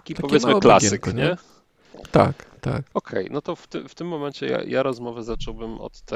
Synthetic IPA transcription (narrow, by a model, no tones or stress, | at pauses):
kʲit̪apɔvjɛt̪mɨklasɨkɲɛ | t̪a̰kt̪a̰kɔkʰɛjnɔt̪ɔft̪ɪmft̪ɘmːɔmɛɲt͡ɕɛja̰ja̰ɾɔzmɔvɛzat͡ʂɔwbɘmɔ̰t̪ːɛ